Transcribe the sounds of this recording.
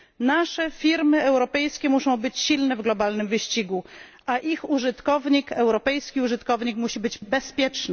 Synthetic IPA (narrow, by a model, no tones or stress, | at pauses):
naʂɛfʲiɾmɘɛwɾɔpɛjskʲɛmuʂɔ̃w̃bɘt͡ɕɕilnɛvɡlɔbalnɘmvɘɕt͡ɕiɡu | ʔaʔixuʐɘt̪kɔvɲikɛwɾɔpɛjskʲiuʐɘt̪kɔvɲikmuɕibɘd͡ʑbɛspʲjɛt͡ʂnɛ